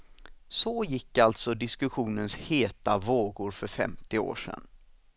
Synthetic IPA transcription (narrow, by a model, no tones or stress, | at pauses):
sɔjɪkːalt̪sɔd̪ɪskɵɧuːnənsheːt̪avoːɡʊɾfœɾfɛ̰mt̪ɪo̰ːʂɛ̰n